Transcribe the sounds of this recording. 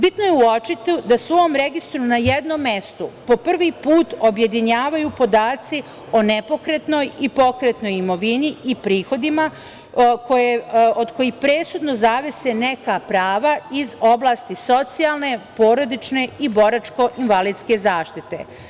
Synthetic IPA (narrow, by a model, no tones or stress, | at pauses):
bit̪no̞jeuo̞t͡ʃit̪id̪asʋoomɾe̞ɡist̪ɾunajed̪no̞mːest̪upo̞pr̩ʋipuːt̪o̞bje̞d̪iɲaːʋajupo̞d̪aːt̪si | o̞nepo̞kɾet̪no̞jipo̞kɾet̪no̞jimo̞ʋiniipɾiːxo̞d̪ima | ko̞jeʔod̪ko̞jixpɾe̞ːsud̪no̞zaʋesene̞kapɾaːʋaizo̞blˠaːst̪iso̞t̪sijalˠne̞poːɾo̞d̪it͡ʃne̞ibo̞ɾat͡ʃko̞ʔinʋaliːd̪ske̞zaːʃt̪it̪e̞̰